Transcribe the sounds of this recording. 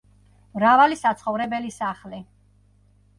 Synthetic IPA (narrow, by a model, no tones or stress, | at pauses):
mɾavalisat̪sʰχɔvɾɛbɛlisaχli